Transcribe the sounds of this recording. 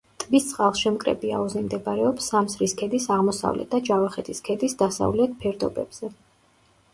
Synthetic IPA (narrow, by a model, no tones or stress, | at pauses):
t̪ʼvist̪sʼqʼalˠʃɛmkʼɾɛ̰bia̰uzimd̪ɛbɾɛɔpsːamsɾiskʰɛd̪isaʁmɔsa̰vlɛ̰t̪̚d̪ad͡ʒavaχɛt̪ʰiskʰɛd̪isd̪asa̰vlɛt̪̚ʰpʰɛɾd̪ɔbɛ̰b̥z̥ɛ